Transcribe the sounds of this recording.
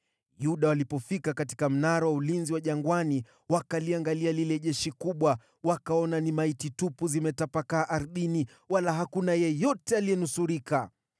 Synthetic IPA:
juɗawalipɔfikakati̥kam̩naɾawaulinziwaʄaŋɡwani | wakaliaŋɡalialilɛʄɛʃikuɓwa | wakaɔnanimaititupuzimɛtapakaːʔaɾɗini | walaɦakunajɛjɔtɛalijɛnusuɾika

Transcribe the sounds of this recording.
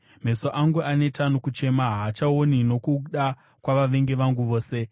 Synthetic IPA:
m̤e̞soʔaŋɡuane̞tanokut͡ʃe̞maɦaːt͡ʃaonino̞kuɗa | kwaʋaʋe̞ŋɡe̞ʋaŋɡuʋo̞ːse̞

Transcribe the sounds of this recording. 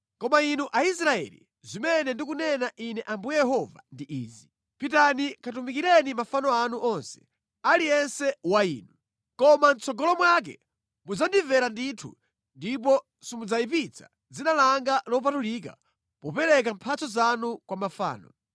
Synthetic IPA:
kɔmainuʔais̬ɾaɛ̰lḭ | zimɛnɛndik̬unɛnaʔinɛʔambujɛjɛɦɔva̰ndiʔiːzi | pitanikʰat̬umikiɾɛnimafanɔanuʔɔnsɛ̥ | alijɛnsɛwaiːnu | kɔmant͡sɔɡɔlɔmwak̬ɛ̰ | mud͡zandivɛɾanditʰṵ | ndip̬ɔ | simud͡zaip̬it͡sʰḁ | d͡zinalaŋɡalɔp̬atulik̬a̰ | pɔpɛɾɛk̬ampʰat͡sɔzanukwamafa̰ːnɔ

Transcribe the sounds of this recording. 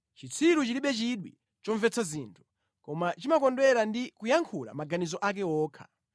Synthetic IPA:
t͡ʃit͡sʰiɾut͡ʃiliɓɛt͡ʃiɗwḭ | t͡ʃɔɱvɛt͡sʰaziːntʰu̥ | kɔmat͡ʃimakɔndwɛɾandikujaŋkʰula̰maɡanizɔʔak̬ɛɔːkʰḁ̰

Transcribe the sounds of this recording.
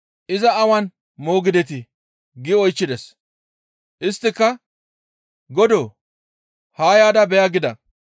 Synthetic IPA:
ʔɪzɐɐwɐn | mo̞ːɡɪd̪ɛt̪̬ɪ | ɡɪɔjt͡ʃːɪd̪ɛs | ʔɪst̪ːɪkːɐ | ɡɔd̪oː | haːjaːd̪ɐbɛjɐɡɪd̪ɐ

